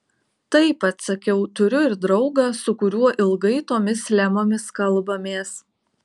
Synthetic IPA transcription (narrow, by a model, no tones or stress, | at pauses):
t̪ɐɪpɐt̪sɐkʲɛʊt̪ʊɾʲʊɪɾd̪ɾɒʊɡɐsʊkʊɾʲuɔʔɪlˠɡɐɪt̪oːmʲɪslʲæmoːmʲɪskɐlˠˑbɐmʲeːs